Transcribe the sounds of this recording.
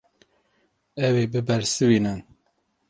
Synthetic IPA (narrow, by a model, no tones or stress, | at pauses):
ɛweːbɨbɛɾsɨwiːnɨn